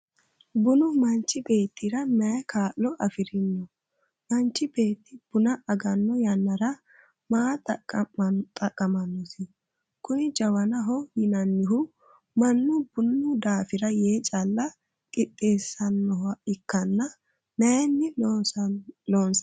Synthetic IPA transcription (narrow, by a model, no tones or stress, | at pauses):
bʊnʊmɐnt͡ʃːɪbe̞ːt̪ʰːɪɾɐmɛkaːlːɔʔɐfɪɾɪnːɔ | mɐnt͡ʃːɪbe̞ːt̪ːɪb̥ʊnɐʔɐɡɐnːɔjɐnːɐɾɐ | maːt̪ʼɐ | t̪ʼɐkʼːɐmɐnːɔsɪ | kʊnɪd͡ʒɐwɐnɐɦɔjɪnɐnːɪɦʊ | mɐnːʊb̥ʊnːʊd̪aːfɪɾɐje̞ːt͡ʃʼɐlːɐ | kʼɪt̪ʼːe̞ːsːɐnːɔhɐɪkːɐnːɐ | mɛɛnːɪ | loːns